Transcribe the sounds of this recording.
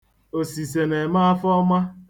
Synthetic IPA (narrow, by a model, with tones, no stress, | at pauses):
o˨si˨s̬e˨ne˨ma˦a˦fɔ˦ma˦